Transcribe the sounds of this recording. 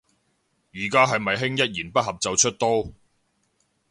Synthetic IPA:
jiː˨˩kaː˥ɦɐ˨jmɐ˨jɦɪ˥ŋjɐ˥t̚jiː˨˩npɐ˥t̚hɐ˨p̚t͡sɐ˨wt͡ʃʰɵ˥t̚t̪ɔː˥

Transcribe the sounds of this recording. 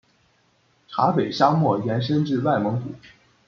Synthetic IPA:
ʈ͡ʂʰa˧˥pe˨˩ɪɕja˥ŋmwɔ˥˩jɛ˧˥nʂ̬ə˥nʈ͡ʂɻ̩˥˧wa˥˩ɪmɤ˧˥ŋku˨˩˦

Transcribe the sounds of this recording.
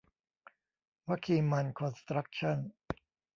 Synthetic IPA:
wa˦˥kʰiː˧ma˧nkʰo˧nst̪ɾa˦˥k̚t͡ɕʰa˥˩n

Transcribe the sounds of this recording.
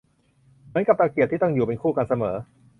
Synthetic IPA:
mɯ˩˦ənka˨˩p̚t̪a˧ki˨˩t̪ʰːiː˥˩t̪ɔ˥˩ŋjuː˨˩pe˧nkʰuː˥˩ka˧nsa˧mɤː˩˦

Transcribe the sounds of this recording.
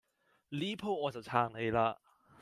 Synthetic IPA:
liː˦˥pʰo˥˩ʔɔː˧˩nsa˨˩tʰaː˧˩ŋe˧jla˧˥

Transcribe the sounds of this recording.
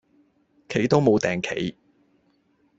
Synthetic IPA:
kʰe˨˥jt̪o˥wmo˨˧wt̪ɛː˨ŋkʰe˨˥j

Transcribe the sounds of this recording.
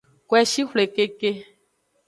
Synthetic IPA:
kɛ˦ʃi˦hle˨ke˦ke˦

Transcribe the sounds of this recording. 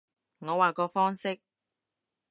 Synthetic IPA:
ŋɔː˨˧waː˨˩kɔː˧fɔː˥ŋsɪ˥k̚

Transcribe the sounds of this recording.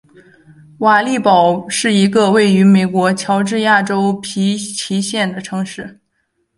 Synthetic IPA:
wa˨˩li˥˩pɑ˨˩ʊʂɻ̩˥˩i˧˥ɡə˧we˥˩ɪy˧˥me˨˩ɪkwɔ˧˥t͡ɕʰjɑ˧˥ʊʈ͡ʂɻ̩˥˧ja˥˩ʈ͡ʂo˥ʊpʰi˧˥pʰi˧˥ɕjɛ˥˩nd̪ə˩ʈ͡ʂʰɤ˧˥ŋʂɻ̩˥˩

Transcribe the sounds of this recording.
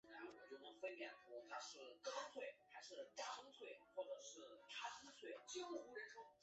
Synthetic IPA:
na˧˥nwɔ˨˩mə˦t͡ɕjo˥˩ʊnɤ˧˥ŋfə˥nljɛ˨˩t̪ʰu˧˥t̪ʰa˥ʂɻ̩˥˩kɑ˥t͡s̪ʰwe˥˩ɪxa˧˥ɪʂɻ̩˥˧˩t̪a˥˧ə˥ŋt͡s̪ʰwe˥˩ɪxwɔ˥˩ʈ͡ʂɤ˨˩ʂɻ̩˥˩t̪ʰa˥s̩˥t͡s̪ʰwe˥˩ɪt͡ɕi˥ə˧˩u˥ɻə˧˥nʂo˥

